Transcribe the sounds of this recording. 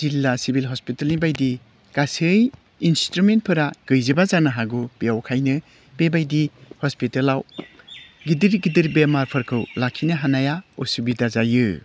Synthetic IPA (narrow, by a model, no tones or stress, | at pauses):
zilːasibilɦɔspitelnibajdi | kasɯj | instɾument̚pʰɯɾaɡ̥ɯjzɯbazanɐɦaɡubijawkʰajnɯ | b̥ebajdihɔspitelaw | ɡidiɾɡidiɾbemaɾpʰɐɾkʰɯwlakʰːinɯɦanajaɔsubidazajɯ